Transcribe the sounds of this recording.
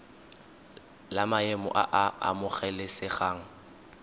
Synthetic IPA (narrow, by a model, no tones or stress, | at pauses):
lamaemɔ̰ʔa̰ʔaa̰mʊχɛlɪsɪχaːŋ̩